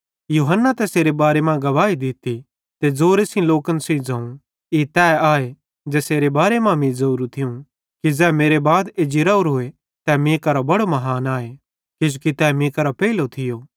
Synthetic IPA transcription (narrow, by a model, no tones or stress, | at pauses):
juːɦənːat̪ɛseːɾebaːɾemãɡɐʋaːid̪ɪt̪i | t̪ed͡zoːɾesĩloːkənsĩĩd͡zɐ̃ːũ | it̪ɛːaːe | d͡zɛːseːɾebaːɾemãmĩzɐuːɾũt̪ʰɪũ | kid͡zɛːmeːɾebaːd̪eːd͡ʒiɾauɾɦʊe | t̪ɛmĩːkaɾobɐɽomɐɦaːnaːe | kɪd͡ʒokit̪ɛːmĩːkaɾopɛːilot̪ʰɪjoː